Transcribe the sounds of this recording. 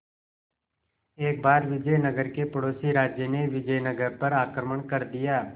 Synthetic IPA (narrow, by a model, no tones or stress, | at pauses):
eːk̚baːd̪ʋɪd͡ʒəjnəɡəɾkepəɽoːsiɾaːd͡ʒjəneʋɪd͡ʒəjnəɡəɾpəɾaːkɾəməɳkəɾd̪ɪjaː